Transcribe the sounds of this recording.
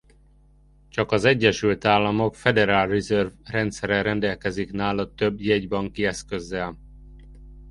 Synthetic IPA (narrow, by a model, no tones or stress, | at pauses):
t͡ʃɒkɒzɛɟːɛʃylt̪aːlːɒmo̞kfɛd̪ɛɾaːlrizørvrɛnt̪sɛɾɛɾɛnd̪ɛlkɛziknaːlɒt̪øbjɛɟbɒŋkiɛskø̞zːɛl